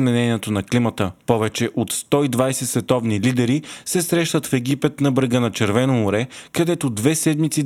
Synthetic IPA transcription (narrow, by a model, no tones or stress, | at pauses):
mɛnɛniɛt̪onɐklimət̪əpɔvɛt͡ʃɛʔot̪st̪ɔid̪vajsɛsvɛt̪ɔvnilid̪ɛɾisɛsɾɛʃt̪ət̪fɛɡipɛt̪nɐbɾəɡənɐt͡ʃɛɾvɛnoːɾɛkɐd̪ɛt̪od̪vɛsɛd̪mit̪si